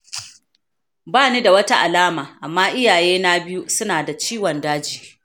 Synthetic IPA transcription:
baː˦˨niː˦da˨wɐ˦ta˦ʔa˨laː˦maː˨ʔa˨mːaː˦ʔɪ˦jaː˨jeː˦na˦bɪ˦ju˦sʊ˦naː˨da˨t͡ʃiː˦wɔ˨ndaː˦d͡ʒiː˨

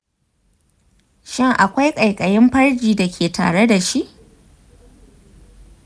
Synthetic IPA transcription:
ʃɪ˦ŋʔa˨kʷa˦jkʼɐ˨jkʼɐ˨jɪ˦mɸɐ˦rd͡ʒiː˨da˨kʲʰeː˨tʰa̰ː˨ɽe˦da˨ʃi˦ʔ

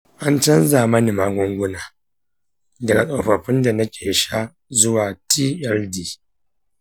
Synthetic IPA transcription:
ʔa˦nt͡ʃɐ˦nzaː˨mɐ˦ni˨maː˦ɡʷʊ˦ŋɡʷʊ˦naː˨ | dɐ˨ɡa˨sʼo˨ɸɐ˨ɸɪ˦nda˨nɐ˦kʲeː˨ʃa˦ | zʊ˦waː˨tʰiː˦ʔɛ˦ldiː˨

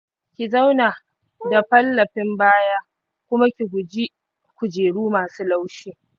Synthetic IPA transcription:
kʲi˨za˦wnaː˨ | da˨ɸɐ˦lːɐ˨ɸɪ˦mbaː˦jaː˦ | kʷʊ˦ma˦kʲi˨ɡʷʊ˨d͡ʒi˦ | kʷʊ˨d͡ʒeː˨ɽuː˦maː˨suː˦la˦wʃiː˦

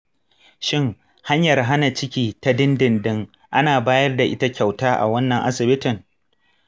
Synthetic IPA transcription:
ʃɪ˦ŋ | ha˦ɲjɐ˨rɦa˦na˨t͡ʃɪ˦kʲiː˦ta˦dɪ˦ndɪ˨ndɪ˦ŋ | ʔa˦naː˨baː˦jɐ˦rda˨ʔɪ̰˦ta˦kʲa˨wtaː˦ʔa̰˨wɐ˦nːɐ˨ŋʔa̰˦sɪ˨bɪ˦tɪ˨ŋ

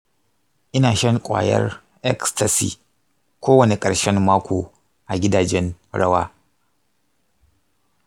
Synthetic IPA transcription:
ʔɪ˦naː˨ʃɐ˦ŋkʷʼa̰ː˨jɐ̰˦r | ʔɛ˦ksta˨sḭː˨ | kʷoː˦wɐ˨ne˨kʼɐ˨ɽʃɛ˦mmaː˦kʷoː˨ | ʔa˨ɡʲɪ˦daː˨d͡ʒɛ˦nɽɐ˦waː˦

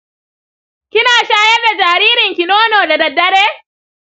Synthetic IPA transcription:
kʲɪ˦naː˨ʃaː˦jɐ˦rda˨d͡ʒaː˨ɾiː˦ɾɪ˨ŋkʲɪ˨noː˦noː˨da˨dɐ˨dːɐ˦ɽeː˦

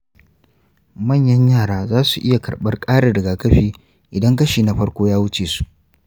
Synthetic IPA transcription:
mɐ˦˨ɲjɐ˦ɲjaː˦˨ɽaː˦zaː˦su˨ʔɪ˦ja˨kɐ̰˨ɽɓɐ˦rkʼaː˦ɽa˨dɐ˨ɡaː˨kɐ˦ɸiː˦ | ʔɪ˨dɐ˦ŋk̬ɐ˦ʃiː˨na˦ɸɐ˦ɽkʷoː˦jaː˦wʊ˦t͡ʃeː˨su̥˨ʔ

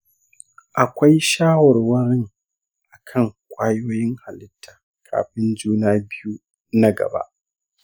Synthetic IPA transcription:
ʔa˨kʷa˦jʃaː˦wɔ˨rwɐ˦ɽɪ˦ŋ | ʔa˨kʰɐ˦˨ŋkʷʼaː˦joː˦jɪ˦ŋha˨lɪ˦tʰːaː˨ | kʰa̰ː˨ɸɪ˦nd͡ʒuː˦naː˦bɪ˦ju˦ | na˦ɡɐ̰˨ba̰˦ʔ

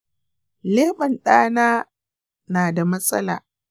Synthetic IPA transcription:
leː˦ɓɐ˨nɗaː˦naː˦ | naː˨da˨mɐ˦sʼɐ̰˦laː˨

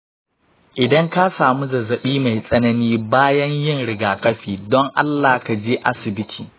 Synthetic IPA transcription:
ʔɪ˨dɐ˦ŋka˦saː˨mu˦zɐ˨zɐ˨ɓiː˦ma˨jsʼɐ˦nɐ˦niː˦baː˦jɐ˦ɲjɪ˦˨ŋɽɪ˨ɡaː˨kɐ˦ɸiː˨dɔ˦ŋʔa̰˦lːaː˨ka˨d͡ʒeː˦ʔa˦sɪ˨bɪ˦tʰiː˨

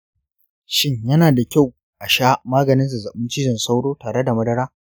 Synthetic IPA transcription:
ʃɪ˦ɲjɐ˦naː˨da˨kʲa˦˨w | ʔa˨ʃaː˦maː˦ɡɐ˨nɪ˦nsa˨za˨ɓɪ˦nt͡ʃɪ˦d͡ʒɪ˨nsa˦wɽoː˦taː˨ɽe˦da˨mɐ˦dɐ˦ɽaː˦

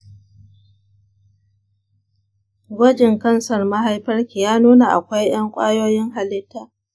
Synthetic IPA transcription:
ɡʷɐ˦d͡ʒɪ˨ŋkɐ˦nsɐ˨rma˦ɦa˦jɸɐ˦rkʲiː˨jaː˦nuː˦na˨ʔa̰˨kʷa˦jj̰ɐ˦ŋkʷʼaː˦joː˦jɪ˦ŋɦa˨lɪ˦tːaː˦ʔ

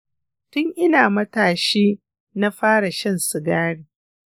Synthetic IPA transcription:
tʊ˦ŋʔɪ˦naː˨mɐ˦taː˨ʃiː˦ | na˦ɸaː˦ɽa˨ʃɐ˦nsɪ˨ɡaː˦ɽiː˨

